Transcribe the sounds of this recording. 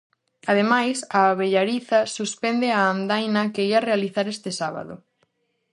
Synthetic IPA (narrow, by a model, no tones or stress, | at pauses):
aðemajsaβeʎaɾiθɐsuspɛnd̪ɪaːnd̪ajnɐkeiarealiθaɾest̪ɪsaβa̰ðʊ̰